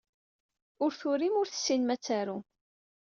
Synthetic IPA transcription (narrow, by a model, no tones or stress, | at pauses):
ʊɾθʊɾimʊɾθə̥sːinmæt͡sːaɾu